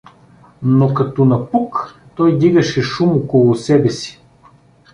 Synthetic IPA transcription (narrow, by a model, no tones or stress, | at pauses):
nokɐt̪ɔnɐpuk | t̪ɔjd̪iɡɐʃɛʃumokolˠʊsɛbɛsi̥